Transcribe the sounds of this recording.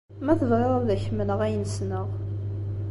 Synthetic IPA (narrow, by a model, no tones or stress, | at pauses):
mæθəvʁeʁˤəðæçmənəʁæjənəsnəʁ